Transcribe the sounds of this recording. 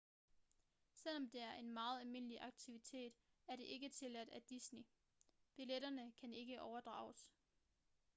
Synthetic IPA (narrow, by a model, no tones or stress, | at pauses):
sel̰ɒ̽md̥e̝æɐʔe̝nmɑ̈ːð̞̩ˠælme̝n̰əliʔɑ̈ɡ̥̚t͡sʰiʋit͡sʰe̝̰ːd̥ | æɐɾe̝ʔe̝ɡ̥ət͡sʰe̝læd̥æd̥isni | b̥ileɾ̥ɐnəkʰæne̝ɡ̥əʔɒʊɐd̥ʁɑ̰̈ːʊs